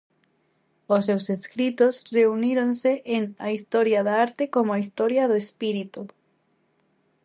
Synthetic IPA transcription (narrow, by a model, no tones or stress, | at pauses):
ʊsːewseskɾit̪osreuniɾonseʔeŋɐist̪ɔɾjɐðaaɾt̪ekomoaist̪ɔɾjɐðoespiɾit̪u